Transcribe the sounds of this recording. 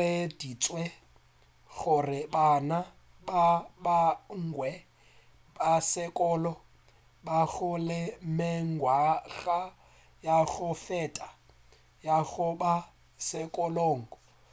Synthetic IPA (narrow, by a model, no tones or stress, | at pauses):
edit͡sʼwɛ | ɣʊrɪbana | babaŋ̩ɡwɛ | basɪkʼɔːlɔ | baɣʊlɪmɪŋ̩ɡwaɣa | jaɣʊfɛːtʼa | jaɣʊba | sɪkʼɔloːŋ̩ɔ